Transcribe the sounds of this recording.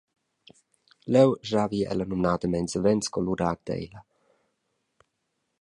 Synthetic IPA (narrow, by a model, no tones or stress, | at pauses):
lɛwʒaviɛ̰lənumnaːd̪əmɛnzəvɛnskɔluɾaːd̪ɛ̰jlə